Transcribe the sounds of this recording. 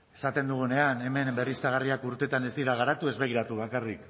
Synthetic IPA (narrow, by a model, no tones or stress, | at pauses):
e̞sat̪e̞nd̪uɣ̞une̞ane̞me̞nbe̞rist̪aɣ̞ariakuɾt̪e̞t̪ane̞zd̪iɾaɣ̞aɾat̪ue̞zβe̞ɣ̞iɾat̪uβ̞akarik